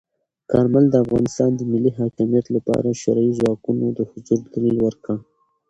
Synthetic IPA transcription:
kɑɾmald̪əafɣɑnɪst̪ɑnd̪əmɪlːiɦɑkɪmijat̪lapɑ̰ɾaʃʊɾɑizwɑkunod̪əhʊd͡ʒuɾd̪d̪alilwəɾka

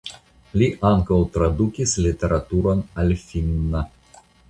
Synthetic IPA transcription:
lʲiʔɑŋkɔlˠt̪ɾɐd̪ukʲɪsʲlʲɪt̪ʲɛɾɐt̪uɾɔnɐlʲfʲiŋna

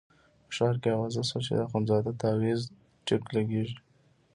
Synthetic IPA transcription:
pəʃɑɾkeawɑzasat͡ʃḛd̪axonzɑd̪at̪awez | ʈɪklaɡeʒi

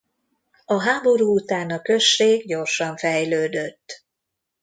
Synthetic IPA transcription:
ɒɦaːbo̞ɾuːut̪aːnɒkø̞ʃːeːɡɟo̞rʃɒɱfɛjløːd̪øt̪ː

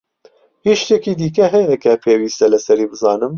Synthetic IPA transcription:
hiːʃt̪ɛkiːd̪iːk̬ɛɦɛjɛkɛpʰeːwiːst̪ɛlɨsɛɾiːbɨzɑːnɨm

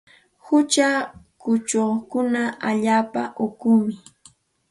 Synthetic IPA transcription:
hʊt͡ʃakʊt͡ʃoχkʊnaaʎaːpaʔokʊmɪ

